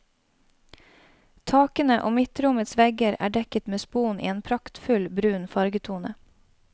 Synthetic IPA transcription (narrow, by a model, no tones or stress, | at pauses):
t̪ʰɑːkənəʔo̰ːmɪt̪ɾʊmət̪sʋɛɡəɾæ̰ːɖɛkət̪meːspuːnʔḭːeːnpʰɾɑkt̪fʉlbɾʉːnfɑɾɡət̪ʰuːnə